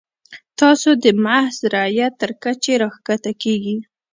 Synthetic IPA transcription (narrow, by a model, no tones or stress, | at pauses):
t̪ɑsod̪əmahzɾajat̪ːəɾkat͡ʃeɾəxkat̪akeɡi